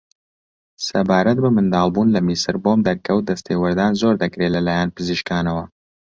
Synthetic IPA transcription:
sɐbaːɾɐt̪̚bɐmɨnd̪ɑːlˠbuːnlɐmisɨɾboːmd̪ɐɾkɐwd̪ɐst̪ʰeːwɐɾd̪aːnzoɾd̪ɐkɾelɐlaːjanpɨziʃkaːnɐwɐ

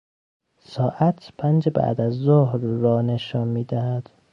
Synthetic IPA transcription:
sɒːʔæt̪ʰpʰænd͡ʒebæ̰ʔd̪æzːohɾːɒːne̞ʃɒːnmiːd̪æhæd̪̥

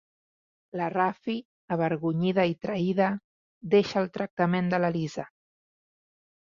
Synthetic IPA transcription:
lərafi | əβ̞əɾɣuɲið̞əit̪ɾəiðə | d̪eʃəːlˠt̪ɾək̚t̪əmend̪ələlizə

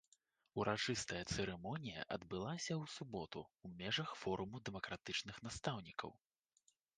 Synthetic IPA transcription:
uɾʔat͡ʂɨst̪ɐjɐt̪sɛɾɛmɔnʲijɐ̰ʔɐd̪bɨlˠasʲɐwsubɔt̪ṵːmʲɛʐɐxfɔɾumud̪ɛmɐkɾat̪ɨt͡ʂnɨxn̪ast̪awnʲikɐ̰w

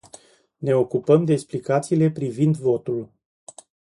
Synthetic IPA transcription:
ne̞o̞kupəmd̪e̞ːksplikat̪siːle̞pɾivind̪vo̞t̪ul

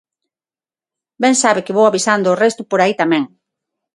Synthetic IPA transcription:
bɛŋsaβɪkɪβowaβisand̪oːrɛst̪ʊpoɾait̪amɛ̃ŋ

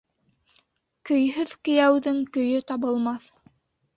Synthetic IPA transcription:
kɵ̆jɦɵðkɵ̆jæwðɵŋkɵ̆jɵt̪ɑβɤ̆lˠmɑθ

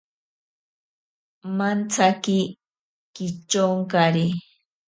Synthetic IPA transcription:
mant͡sakɪ | kɪt͡ʃoŋkaɾi

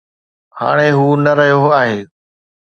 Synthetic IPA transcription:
ha̰ːɽ̃eɦuːnɐɾɐɦijoaːɦeː

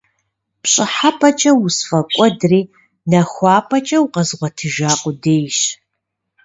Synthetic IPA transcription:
pɕʼɪħapʰɐt͡ʃʼɐwusfɐkʷʼɔdriː | nɐxʷɑːpʰʼɐt͡ʃʼɐwʊqɐzʁʷɔtʰɨʒaːqʷʼʊdeːjʃ

